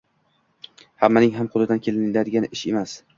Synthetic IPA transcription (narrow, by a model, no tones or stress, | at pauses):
hamːanɪŋɦamqʊlɪd̪ankʲʰe̞lɪnlad̪ɪɡʲanɪʃe̞mas